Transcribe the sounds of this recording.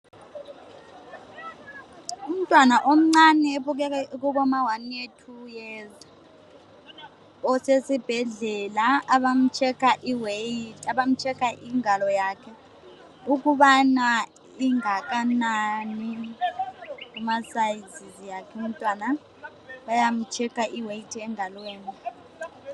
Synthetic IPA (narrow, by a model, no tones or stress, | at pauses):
um̩tʼwanaʔom̩ŋ͡ǀanɛeβuɣ̬ɛkaɣ̬uβɔmawanietʰujɛz | ɔsesib̥ʱɛɮɛlaːβam̩t͡ʃʰɛkʰaʔiwetʰaβam̩t͡ʃʰʼɛkʰaʔiŋalɔjaːkʰɛ | uk̬uɓana | iŋak̬ʼanani | umasajizizijakʰɛum̩tʼwana | ɓajam̩t͡ʃʰɛkʰaʔiwejitʰiɛŋalweːni